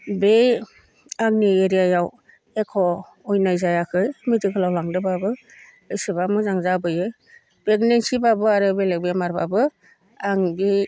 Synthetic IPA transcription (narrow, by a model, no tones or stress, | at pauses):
bej | aŋnieɾijajaw | ekʰɔː | jnajzajakʰɯjmɯtɯkʰɯlawlaŋdɯbabɯ | ɯjsɯbamɯzaŋzabɯjɯ | beɡnensibabɯaɾɯbelek̚bemaɾba̰bɯ | aŋbi